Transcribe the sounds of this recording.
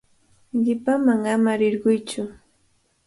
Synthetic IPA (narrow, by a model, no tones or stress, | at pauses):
ʎɪpamaŋamaɾɪɾɢʊjt͡ʃʊ